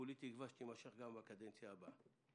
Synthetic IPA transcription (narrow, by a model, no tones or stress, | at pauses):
olit̪iɡvaʃt̪imaʃeχɡambakad̪ent͡sjaːba